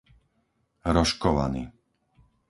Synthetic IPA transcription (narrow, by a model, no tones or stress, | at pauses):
ɾɔʃkɔʋa̰nḭː